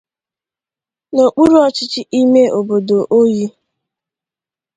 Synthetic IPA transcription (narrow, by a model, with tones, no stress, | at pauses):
no˨k͡pu˦ɾu˦ɔ˦t͡ʃɪ˦t͡ʃɪ˦ʔi˦me˦ʔo˨bo˨do˨ʔo˦ji˦